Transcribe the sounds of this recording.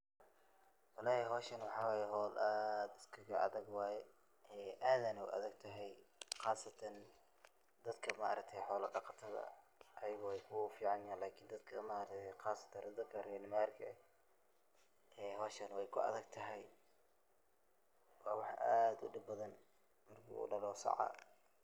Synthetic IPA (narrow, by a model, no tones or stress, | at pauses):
wɑlɑːhɛɦɔːʃɐnwɑħɑːwɑːjɛɦɔːlʔaːd̪ɪ̥skʰɐɣɐɐ̰ðɐɡwɑːjɛ | ʔɛːʔaːðanɐʊ̰ʔɐ̰ðɐɡ̚t̪ʰɐɦɛjqɑːsɐt̪ʰɐn | d̪ɐd̪kʰɐmaʔɐ̰ɾɐk̚t̪ʰɛjħɔːlɐɖɑqɑt̪ʰɐðɐ̰ | ʔɐjɐɣɔwɛjkʰʊfiːʕɑnjaːnlaːkʰind̪ɐd̪kʰɐmaɾɐt̪ʰɛjqɑːsɐ̥t̪ʰɐrd̪ɐd̪kʰɐrɛnɪmaːrkʰɐ | ɛːɦɔːʃɐnwɛjkʰʊɐ̰ðɐɡ̚t̪ʰɐɦɛj | wɑːwɑħʔaːd̪ʊ̰ɖɪbbɐðɐn | mɐrkʰḭṵːɖɐlɔːsɑ̰ʕɑ̰